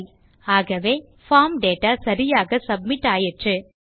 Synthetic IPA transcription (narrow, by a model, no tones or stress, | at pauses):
aːɣɐʋeː | faːmɖeːʈaːsɐɾɪjaːɣɐsɐb̚mɪʈːaːjɪʈrɯ